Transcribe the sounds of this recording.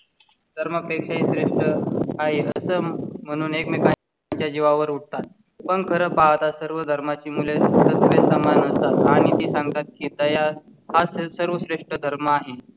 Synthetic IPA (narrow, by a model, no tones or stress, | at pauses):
d̪ʱəɾməpekʂaɦisɾeʂʈəaɦeəsəːm̤əɽ̃uːnekmeka | t͡ɕjad͡ʑiʋaʋəɾuʈ̚t̪at̪̚ | pəɳkʰəɾəpaʋt̪asəɾʋəd̪ʱəɾmat͡ɕiːmulesət̪ʋesəmanəst̪at̪aɽ̃it̪iːsãŋɡ̚t̪at̪̚kiːt̪əja | hasəɾʋəsɾeʂʈəd̪ʱəɾməaɦe